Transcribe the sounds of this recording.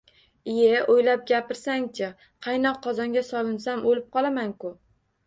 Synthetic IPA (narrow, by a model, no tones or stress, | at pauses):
ijeʔojlap̚ɡʲapɪɾsaŋt͡ʃʰa | qʰɑjnɒqʰːɒzɒŋɡʲasɒlɪnsamolɪp̚qʰɒlˠamaŋkʊ